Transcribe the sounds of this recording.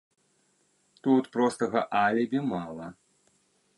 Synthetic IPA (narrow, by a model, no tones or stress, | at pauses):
t̪ut̪pɾɔst̪ɐɣɐʔalʲɛbʲimalˠɐ